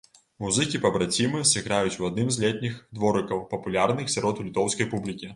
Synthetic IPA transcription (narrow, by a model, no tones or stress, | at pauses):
muzɨkʲipɐbɾɐt͡sʲimɨsɨɣɾajut͡sʲuɐd̪nɨmzʲlʲɛt̪ʲnʲixd̪vɔɾɨkɐwpɐpulʲarnɨxsʲaɾɔt̪ulʲit̪ɔwskɐjpublʲikʲi